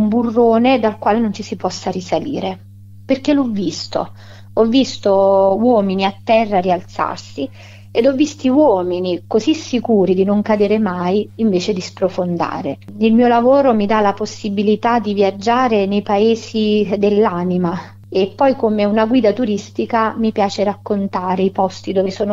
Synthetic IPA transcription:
umburːoːned̪alkwaːlenont͡ʃisipɔsːarisalḭːɾe | perk̟elɔvːist̪o̰ | ɔvːist̪owɔːminiat̪ːɛrːarialt̪sa̰rsi | ed̪ɔvːist̪iwɔːminikozisːikuːɾid̪inoŋkad̪eːɾemajiɱveːt͡ʃed̪ispɾofond̪a̰ːɾeilmiːolavoːɾomid̪alaposːibilit̪ad̪ivjad͡ʒːaːɾenejpaeːzid̪elːanima | epːɔjkomeunaɡwiːd̪at̪uɾist̪ikamipjaːt͡ʃeɾakːont̪aːɾeipɔst̪id̪oːvesoːno

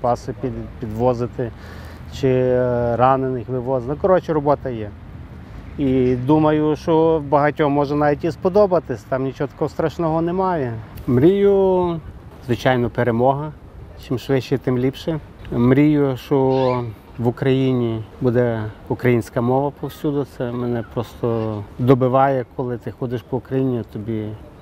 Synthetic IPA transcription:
pɑsɪpʲipʲid̪ʋɔzɪt̪ɪ | t͡ʃɪɾɑnenɪxʋɪʋɔznɐkɔɾɔt͡ʃɪɾɔbɔt̪ɐjɛ | id̪umɐjʊʃt͡ʃɔbɐɦɐtʲɔmɔʒɛnɑʋʲitʲispɔd̪ɔbɐt̪ɪsʲt̪ɑmnʲit͡ʃɔɔt̪ɐkɔɦɔst̪ɾɐʃnɔɦɔnemɑjɛmɾʲijʊ | zʋɪt͡ʃɑjnɔpeɾemɔɦɐ | t͡ʃɪmʃʋɪʃt͡ʃɛt̪ɪmlʲipʃɛ | mɾʲijʊʃɔ | ʋʊkɾɐjinʲibud̪ɛʊkɾɐjinʲsʲkɐmɔʋɐpɔwsʲud̪ʊt̪sɛmɛnɛpɾɔst̪ɔd̪ɔbɪʋɑjɛkʰɔlˠɪt̪ɪxɔd̪ɪʃpɔʊkɾɐjinʲit̪ɔbʲi

